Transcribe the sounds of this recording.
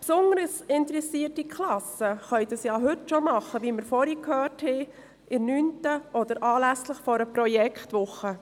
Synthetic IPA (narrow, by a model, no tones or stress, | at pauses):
psʊndəɾəsɪntɾɛsiːərtikʰlɑsəχœʏdɑsjɑːɦʏtʃɔmɑχəʋiməɾfɔɾikhøːrthɛː | ʔɪnyːntəʔɔd̥əɾʔɑːlæsləχfɔɾəpɾɔjɛkχtʋʊχːə